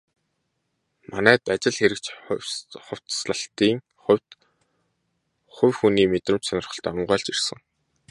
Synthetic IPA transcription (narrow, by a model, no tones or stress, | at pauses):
manæːt̪at͡ɕɪ̆ɮxeɾɘ̆k̚t͡ɕ | χʊw̥ʲt̪sɮə̆ɬt̪iːŋ | χʊwʲt | χʊwʲxuniːmet̪rə̆m̥t͡ɕsanɪ̆rχə̥̆ɬt̪œm̆ɴɢœːɮt͡ɕir̥sə̆ŋ